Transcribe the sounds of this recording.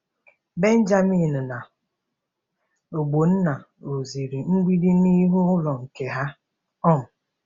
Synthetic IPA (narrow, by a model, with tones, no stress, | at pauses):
be˦n̩˦d͡ʒa˦mi˦˨n̩˨na˨ | o˨ɡ͡bo˨n̩˦na˨ | o˨zi˨ɾi˨ŋ͡m̩˦ɡ͡bʷi˦di˦ni˦ɦu˦ʊ˦lɔ˨ŋ̩˨ke˨ɦa˦ | ɔ˦˨m̩˨